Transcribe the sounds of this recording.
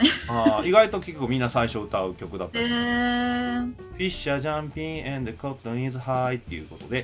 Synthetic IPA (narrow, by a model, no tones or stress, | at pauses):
aiɡait̪o̞kʲe̞kʲːoko̟mʲĩnːasaiɕo̞ɯ̟t̪aɯ̟kʲo̞kɯ̟d̪at̪ː | ɸʲiɕaʑãmpʲĩẽnd̪kopt̪õɲizɨhait̪ːe̞̰jɯ̟̰ko̞t̪o̞d̪e̞